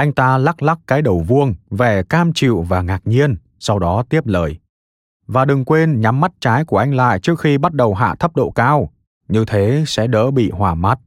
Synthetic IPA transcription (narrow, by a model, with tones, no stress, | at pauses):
ʔa˧jŋ̟t̪aː˧la˦˥k̚la˦˥kkaː˨˦jɗə˨˩wvu˧əŋvɛ˨˩kaː˧mt͡ɕḭ˧˨wvaː˨˩ŋaː˨˩k̚ɲi˧ən | sa˧wɗɔ˨˦t̪i˦˥əp̚ləː˨˩j | vaː˨˩ɗɨ˨˩ŋkwe˧nɲa˨˦mːa˦˥t̚t͡ɕaː˨˦jku˧˩əʔa˧jŋla̰ː˧˨jt͡ɕɨ˦˥ək̚xi˧ɓa˦˥t̚ɗə˨˩wɦa̰ː˧˨t̪ʰə˦˥p̚ɗo̰˧˨kaː˧w | ɲɨ˧t̪ʰe˨˦sɛ̰˧˥ɗə̰ː˧˥ɓḭ˧˨ɦwaː˨˩ma˦˥t̚